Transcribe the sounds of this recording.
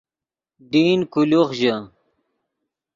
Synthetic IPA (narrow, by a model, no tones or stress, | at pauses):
d̪iːnkuluχʑə